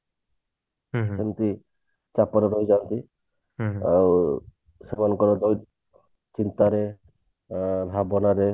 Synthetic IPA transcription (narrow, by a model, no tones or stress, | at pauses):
semt̪i | t͡ʃapɔɾɔɾɔɦjd͡ʒant̪i | aw | semanɔkɔɾɔd̪ɔj | t͡ʃint̪aɾe | lʱabɔnaɾe